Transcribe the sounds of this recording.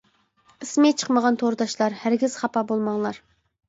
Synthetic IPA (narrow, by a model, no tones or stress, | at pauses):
ɨsmɪt͡ʃʰə̥qməʁɑnt̪ʰoɾɨd̪ɑʃlˠɑɾhæɾɡʲiz̥χɑpɑbolˠmɑŋlˠɑɾ